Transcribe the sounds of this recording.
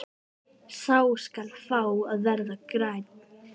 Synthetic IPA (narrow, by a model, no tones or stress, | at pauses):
saːwskalfaːwaðvɛɾðakɾajt̪̚